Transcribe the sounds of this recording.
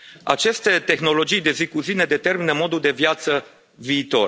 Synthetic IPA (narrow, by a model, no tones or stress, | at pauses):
a̰t͡ʃe̞st̪e̞t̪e̞xno̞lo̞d͡ʒijd̪e̞zikuzine̞d̪e̞t̪e̞rminəmo̞d̪uld̪e̞vjat̪sə | viːt̪o̞̰r